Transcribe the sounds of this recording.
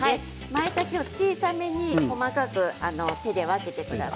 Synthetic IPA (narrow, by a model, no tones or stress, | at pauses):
hai | maet̪akʲo̞ːt͡ɕiːsame̞ɲ̟iko̞makakɯ̟ano̞t̪e̞d̪e̞βake̞t̪e̞kɯ̟d̪a̰s